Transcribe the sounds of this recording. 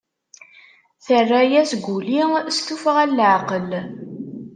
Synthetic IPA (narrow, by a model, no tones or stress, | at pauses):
θərːæjæsɡʷulist̪ufʁælːʕqəl